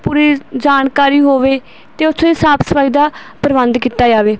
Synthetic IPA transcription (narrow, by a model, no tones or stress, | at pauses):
puːɾiːd͡ʒaːnkaːɾiːɦoːʋeː | t̪eːʊsʰõɪsaːpsəʋaːid̪aːpɾəbənd̪kiːt̪aːd͡ʒaːʋeː